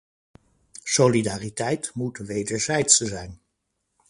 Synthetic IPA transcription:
solidaːritɛjtmutʋejdəɹzɛjtsəzɛjn

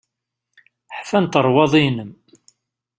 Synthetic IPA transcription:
ħfænt̪əɾˤwɑðˤinəm

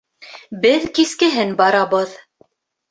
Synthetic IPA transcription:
bɘðkiskɘ̆ɦɘnbɑɾɑβɤð

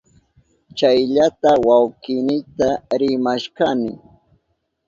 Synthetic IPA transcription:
t͡ʃajʎat̪awawkɪnɪt̪aɾɪmaʃkanɪ̰

